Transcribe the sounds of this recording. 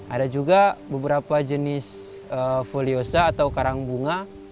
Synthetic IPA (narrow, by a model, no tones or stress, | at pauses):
ʔa̰dad͡ʒuɡabəbəɾapad͡ʒənɪs | əfoliosaːt̪awkaɾaŋbuŋa